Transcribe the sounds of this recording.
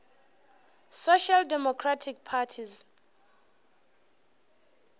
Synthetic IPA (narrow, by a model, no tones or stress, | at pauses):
soʃaldɛmɔkʰratʰik̚pʰatʰiz